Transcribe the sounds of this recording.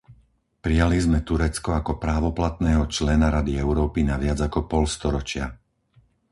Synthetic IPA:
pɾijalizmɛt̪uɾɛt͡skɔakɔpɾaːʋɔplat̪nɛːɦɔt͡ʃlɛnaɾad̪iɛʊɾɔːpinaʋɪad͡zakɔpɔlst̪ɔɾɔt͡ʃɪa̰

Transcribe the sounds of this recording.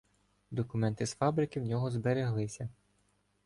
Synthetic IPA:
d̪ɔkʊmɛnt̪ɪsfɑbɾɪkɪwnʲɔɦɔzbeɾeɦlˠɪsʲɐ

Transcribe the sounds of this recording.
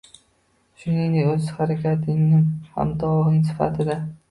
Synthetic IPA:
ʃʊnɪŋnɪɵzhaɾakʲʰat̪ʰɪŋnɪŋha̰md̪ɒʁɪŋs̬ɪ̥fa̰t̪ʰɪd̪a

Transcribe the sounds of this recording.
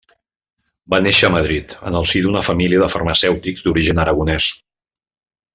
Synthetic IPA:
baneʃəːməð̞ɾit̪ə̰nəlˠsiðunəfəmiliəðəfərməsɛwt̪ikzd̪uɾiʒənəɾəɣunɛs

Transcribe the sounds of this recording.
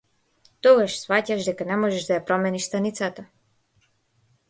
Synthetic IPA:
t̪ɔɡaʃsfacaʃd̪ɛkanɛmɔʒɛʒd̪ajapɾɔmɛniʃst̪anit̪sat̪a

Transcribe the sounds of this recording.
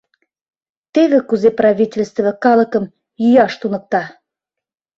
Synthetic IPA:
t̪eβĕkuzeprɑβʲitʲelʲst̪və̆kɑlɤ̆kə̆m | jyjɑʃt̪unɤ̆k̚t̪ɑ

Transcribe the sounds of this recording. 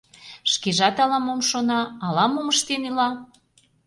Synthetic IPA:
ʃkeʒɑt̪ɑlɑmomʃonɑːlɑmoməʃt̪enilɑ

